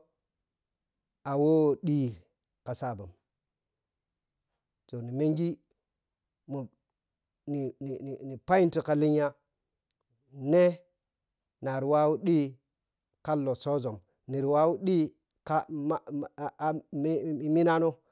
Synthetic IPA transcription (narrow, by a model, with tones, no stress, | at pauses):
a˨wo˦˨ɗi˦ | ka˨sa˦˨bu˨m | to˨ni˨me˦ŋɡi˦ | mu˨ | ni˨ni˨ni˨ni˨pa˦i˦n˦ti˨ka˨li˦ɲ˦a˦ | ne˦ | na˨ɾi˨wa˦wu˦ɗi˦ | ka˦lːo˨so˦zo˨m | ni˨ɾi˨wa˦wu˦ɗi˦ | ka˦m˦˨ | m˦i˨mi˦na˦no˦